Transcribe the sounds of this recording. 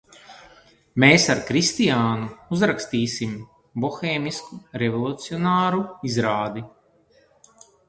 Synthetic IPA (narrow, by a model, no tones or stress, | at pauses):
meːsaɾkɾist̪ijaːnuuzɾakst̪iːsim | bɔxeːmiskuɾɛvɔlˠut̪siɔnaːɾuizɾaːd̪i